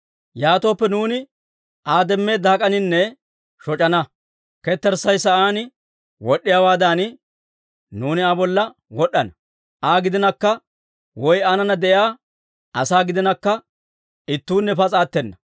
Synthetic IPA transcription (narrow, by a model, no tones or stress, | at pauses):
jaːt̪o̞ːpːɛnuːnɪ | ʔaːd̪ɛmːe̞ːd̪aːkʼɐnɪnːɛ | ʃɔt͡ʃʼɐnɐ | kɛt̪ːɛɾsɐjsɐʔaːn | wɔɗːɪjaːwaːd̪aːn | nuːnɪabɔlːɐ | wɔɗːɐnɐ | ʔaːɡɪd̪ɪnɐkːɐ | wɔjaːnɐnɐd̪ɛjaː | ɐsaːɡɪd̪ɪnɐkːɐ | ɪt̪ːuːnːɛpɐt͡sʼaːt̪ːɛnːɐ